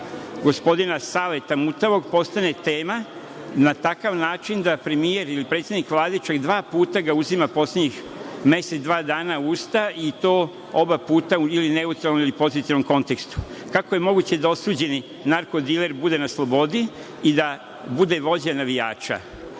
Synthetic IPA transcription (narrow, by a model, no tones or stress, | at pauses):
ɡo̞spo̞d̪inasaːʋe̞t̪amut̪aʋo̞ɡpo̞st̪ane̞t̪e̞ːma | nat̪akaʋnaːt͡ʃind̪apɾe̞mije̞ɾilipɾet̪sjed̪nikʋlˠaːd̪it͡ʃakd̪ʋaːpuːt̪aɡauzimapo̞sledɲix | me̞set̪d̪ʋaːd̪aːnauːst̪ait̪oː | o̞bapuːt̪auiline̞ut̪ɾalnomilipo̞zit̪iʋno̞mko̞nt̪e̞kst̪u̥kakojemo̞ɡut͡ɕe̞d̪ao̞suːd͡ʑe̞ni | naɾko̞d̪ile̞ɾbud̪e̞naslˠo̞bo̞d̪i | id̪a | bud̪e̞ʋo̞d͡ʑanaʋijaːt͡ʃa̰